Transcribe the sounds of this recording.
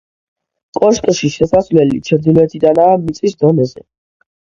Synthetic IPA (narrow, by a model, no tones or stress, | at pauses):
kʼɔʃkʼʃiʃɛsasvlɛlḭt͡ʃʰɛɾd̪ilɛt̪ʰid̪anaːmit̪sʼisd̪ɔnɛzɛ̰